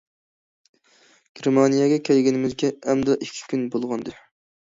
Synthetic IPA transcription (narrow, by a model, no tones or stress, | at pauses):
ɡ̥ʲeɾmɑnijɛɡʲɛkʲʰɛlɡʲɪnɪmɪzɡʲɛɛmd̪ɑʔikʲʰːi̥kʲʰynbolˠʁɑnd̪ɨ